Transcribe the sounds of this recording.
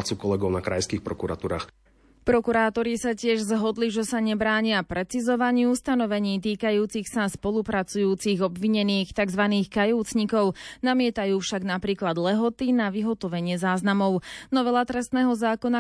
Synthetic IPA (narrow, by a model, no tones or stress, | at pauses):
t͡sukɔlɛɡɔʊnakɾa̰jskiːxpɾɔkuɾa̰t̪uːɾa̰ːx | pɾɔkuɾaːt̪ɔɾisacɪɛʒzɦɔd̪liʒɛsaɲɛbɾaːɲɪapɾɛt͡sizɔʋaɲiust̪anɔʋɛɲiːt̪̬iːkajuːt͡sixsaspɔlˠupɾat͡sujuːt͡siɣɔbʋiɲɛniːxt̪aɡzʋaniːxkajɔʊt͡sɲikɔʊnamɪɛt̪ajuːfʃaɡnapɾiːklad̪lɛɦɔt̪inaʋiɦɔt̪ɔʋɛɲɪɛzaːznamɔʊnɔʋɛlat̪ɾɛst̪nɛːɦɔzaːkɔna